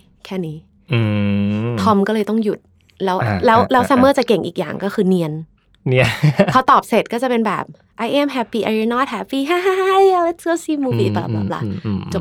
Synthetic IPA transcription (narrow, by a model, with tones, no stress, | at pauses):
kʰɛː˥˩niː˧˥ | ʔːt̪ʰɔ˧˥mkɔː˥˩lɤː˧jt̪ɔ˥˩ŋju˨˩t̪̚ | lɛː˦˥wlɛː˦˥wlɛː˦˥wsaː˧mɤː˥˩t͡ɕa˨˩ke˨˩ŋʔiː˨˩k̚ja̰ː˨˩ŋkɔː˥˩kʰɯː˧ni˧ən | ni˦˥˩kʰa˦˥wt̪ɔː˨˩p̚se˨˩t̪̚kɔː˥˩t͡ɕa˨˩pe˧nbɛ̰ː˨˩p̚ | ʔa˧jʔɛ˧˥˨mɦɛ˦˥˩piː˧˩ʔa˧i˧nɔː˧˥˩t̪̚hɛ˧˩piː˧˩ɦaː˧˥ɦa˧ɦa˥˩a˧le˦˥t̪̚sɯ˥˨siː˥˩mːuː˧fiː˧˩baː˨˩bɛ̰ː˨˩p̚la̰˧o˨˩